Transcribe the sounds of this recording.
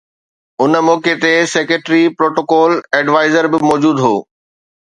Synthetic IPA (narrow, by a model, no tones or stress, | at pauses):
ʊnmɔːket̪esekeʈɾipɾoːʈoːkɔːlɛɖʋaːɪzəɾbɪmɔːd͡ʑuːd̪ɦoː